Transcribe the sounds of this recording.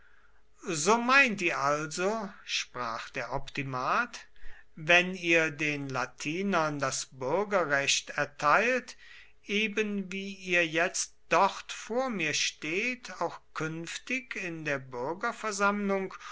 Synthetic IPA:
zoːmaɪntiːɐʔalzoʃpʁ̥aːxd̥eːɐʔɔptimaːtvɛniːɐdeːnlatʰiːnɐndasb̥ʏɐɡɐʁɛɕtɛɐtʰaɪlt | ʔeːbənviːiːɐjɛt͡std̥ɔʁtfoːɐmiːɐʃteːtʰaʊxkʰʏnftɪkɪndeːɐbʏɐɡɐfɛɐzamlʊŋk

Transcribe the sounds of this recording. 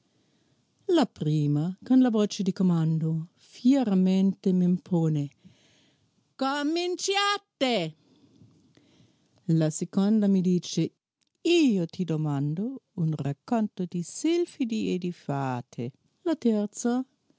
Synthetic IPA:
lapɾiːmakonlavoːt͡ʃed̪ikomand̪o | fjɛɾament̪emempʰoːne | komint͡ʃat̪e | lasekond̪amid̪iːt͡ʃe | iːot̪id̪omand̪ounrakːont̪od̪isilfid̪ied̪ifaːt̪ʰe | lat̪ɛrt̪sa

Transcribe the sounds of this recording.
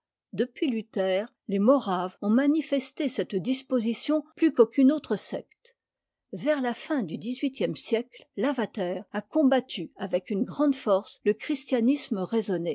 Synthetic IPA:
d̪əpɥilyt̪ɛːʁ | lemɔʁavɔ̃manifɛst̪esɛt̪d̪ispozisjɔ̃plykokynot̪χəsɛ̰kt̪ | vɛʁlafɛ̃d̪yd̪izɥit̪jɛmsjɛkllavat̪ɛːʁakɔ̃bat̪ʰyavɛkynɡʁɑ̃d̪fɔʁsləkχist̪janisməʁezɔne

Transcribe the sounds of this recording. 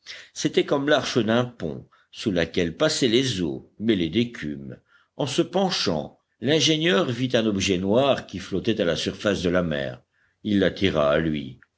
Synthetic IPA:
set̪ɛkɔmlaʁʃəd̪ɛ̃pɔ̰̃ | sulakʲɛlpasɛlezo̰mɛled̪ekʲʰym | ɑ̃səpɑ̃ʃɑ̰̃ | lɛ̃ʒenjœʁvit̪ɛ̃nɔbʒɛnwaʁkʲiflɔt̪ɛt̪alasyʁfasd̪əlamɛ̰ːʁ | ilːat̪ʰiʁaːlɥḭ

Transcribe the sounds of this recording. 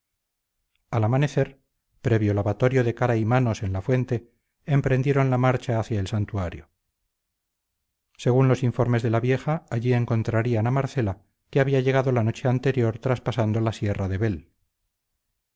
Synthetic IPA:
alamane̞θe̞ɾ | pɾe̞βjo̞laβat̪o̞ɾjo̞ðe̞kaɾaimano̞se̞nlafwe̞nt̪e̞ː | mpɾe̞nd̪je̞ɾo̞nlamaɾt͡ʃaːθjaelsant̪uaɾjo̰ | se̞ɣunlo̞siɱfo̞ɾme̞zðe̞laβje̞xaːʎie̞ŋko̞nt̪ɾaɾianamaɾθe̞la | keaβiaʝe̞ɣ̞aðo̞lano̞t͡ʃe̞ant̪e̞ɾjo̞ɾt̪ɾaspasand̪olasje̞raðe̞βe̞l

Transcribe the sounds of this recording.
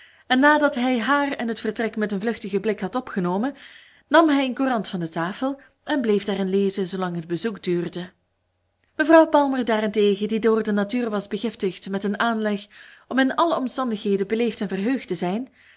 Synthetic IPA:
ɛnːaːdɑtɦɛjɦaːrɛnɦətfərtrɛkmɛtənvlɵxtəɣəblɪkɦɑtɔpxənoːmə | nɑmɦɛjənkurɑntfɑndətaːfəlˠ | ʔɛnbleːvdaːrɪnleːzəzoːlɑŋɦəd̚bəzukdyːrdə | məvrɑwpɑlˠmərdaːrɛnteːɣədidoːrdənatyːrʋɑzbəɣɪftəxtmɛtənaːnlɛxɔmɪnɑləɔmstɑndəxɦeːdəbəleːftɛnvərɦøːxtəzɛjn

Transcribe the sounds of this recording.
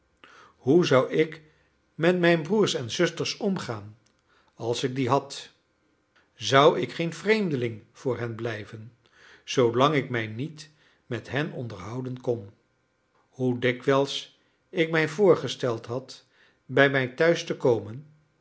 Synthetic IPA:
ɦuzʌwɪk | mɛtmɛjnbruːɹsɛnzɵstəɹsɔmχaːn | ɑlˠsɪɡ̚diɦɑt | zʌwɪkχejnvrejmdəlɪŋv̥ʊːɹɦɛnblɛjvən | z̥owlɑŋɪkmɛjnit | mɛtɦɛnɔ̰ndəɹɦɑwdənkɔn | hudɪkʋɛlˠs | ɪkmɛjvʊːɹχəstɛlˠtɦɑt | bɛjmɛjtœɥstəkowmən

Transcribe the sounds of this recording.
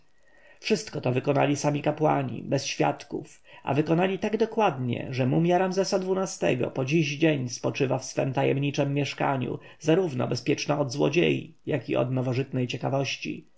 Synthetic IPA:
fʂɘst̪kɔt̪ɔvɘkɔna̰lʲisamʲikapwaɲḭbɛsɕfʲja̰t̪kuf | ʔa̰vɘkɔnalʲit̪aɡd̪ɔkwad̪ɲɛ̰ʐɛmumʲjaɾamzɛsad̪vunast̪ɛ̰ɡɔ̰pɔd͡ʑiʑd͡ʑeɲspɔt͡ʂɘvafsfɛmt̪ajɛmɲit͡ʂɛmːjɛʂka̰ɲṵ | zaɾuvnɔ̰bɛspʲjɛt͡ʂnaɔd̪zwɔ̰d͡ʑḛji | jakiʔɔ̰d̪nɔvɔʐɘt̪nɛjt͡ɕɛkavɔɕt͡ɕḭ

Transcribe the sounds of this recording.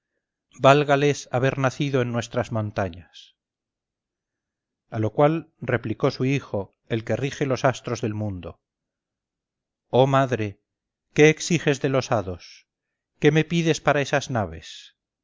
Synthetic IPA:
balɣale̞saβe̞ɾnaθiðo̞enːwe̞st̪ɾazmõnt̪aɲas | alo̞kwalre̞pliko̞suixo̞ | e̞lke̞rixe̞lo̞sast̪ɾo̞zðe̞lmũnd̪o̞̰ | o̞maðɾe̞ | ke̞ːksixe̞zðe̞lo̞saðo̞s | ke̞me̞piðe̞spaɾae̞saznaβe̞̰s

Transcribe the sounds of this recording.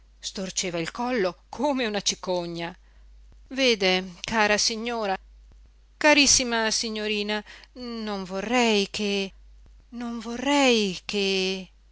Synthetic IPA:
st̪ort͡ʃeːvailkɔlːokʰoːmeunat͡ʃikoɲːa | veːd̪ekaːɾasiɲːoːɾa | kaɾisːimasiɲːoɾiːnanoɱvorːɛjkʰe | noɱvorːɛjke

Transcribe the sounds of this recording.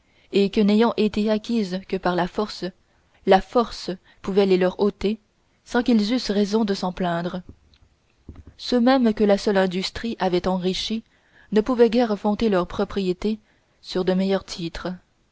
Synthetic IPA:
ekənejɑ̃ʔet̪eakʲizkəpaʁlafɔʁs | lafɔʁs | puvɛlelœʁot̪e | sɑ̃kʲilzysʁɛzɔ̃d̪əsɑ̃plɛ̃ːd̪ʁə | sømɛmkəlasœlɛ̃d̪yst̪χiʔavɛt̪ɑ̃ʁiʃi | nəpuvɛɡʲɛʁfɔ̃t̪elœʁpχɔpχijet̪e | syʁd̪əmɛjœʁt̪ʰit̪χə

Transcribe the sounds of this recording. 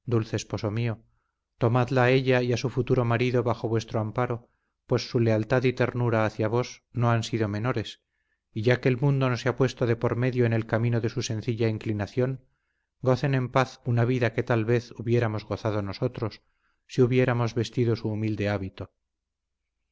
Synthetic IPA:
d̪ulθe̞ːspo̞so̞mio̞ | t̪o̞maðlaːe̞ʎaiasufut̪uɾo̞maɾiðo̞βaxo̞βwe̞st̪ɾoampaɾo̞ | pwe̞sːule̞alt̪aðit̪e̞ɾnuɾaːθjaβ̞o̞sno̞ansiðo̞meno̞ɾe̞s | iʝake̞ːlmũnd̪o̞noseapwe̞st̪oðe̞po̞ɾme̞ðjo̞ene̞lkamĩno̞ðe̞suse̞nθiʎaiŋklinaθjo̞ŋ | ɡo̞θe̞nẽ̞mpaθunaβ̞iðake̞t̪alβe̞θuβje̞ɾamo̞zɣo̞θað̞o̞no̞so̞t̪ɾo̞sː | iuβje̞ɾamo̞zβe̞st̪iðo̞suːmild̪e̞aβit̪o̞

